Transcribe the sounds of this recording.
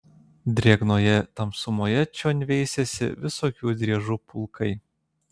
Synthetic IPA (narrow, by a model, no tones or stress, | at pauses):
d̪ʲɾʲiɛɡnoːjɛt̪ɐmsʊmoːjɛt͡ʃʲoːnʲʋʲɛɪsʲesʲɪ̰ʋʲɪsoːkʲuːd̪ʲɾʲiɛʒuːpʊlˠkɐɪ